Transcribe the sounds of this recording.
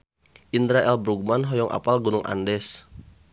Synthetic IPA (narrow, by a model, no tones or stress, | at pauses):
ʔind̪ɾaʔɛlbɾuɡ̚manɦɔjɔŋʔa̰palɡunʊŋʔa̰ndɛs